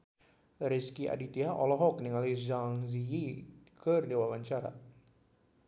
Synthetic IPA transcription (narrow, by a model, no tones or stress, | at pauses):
ɾiskiʔa̰dit̪iaʔɔlɔɦɔk̚niŋalizaŋzijikərdewawaɲt͡ʃaɾa̰